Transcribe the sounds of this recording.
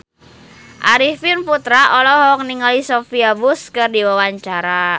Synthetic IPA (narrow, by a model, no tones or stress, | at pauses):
ʔaɾifinput̪ɾaʔɔlɔɦɔk̚niŋalisofiabʊskɨrdiwawaɲt͡ʃaɾa